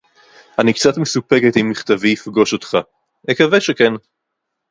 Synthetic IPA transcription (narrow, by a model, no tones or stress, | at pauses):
anikt͡sat̪mesupe̞ke̞timːiχt̪aviːfɡo̞ʃo̞t̪χa | nekaveʃeken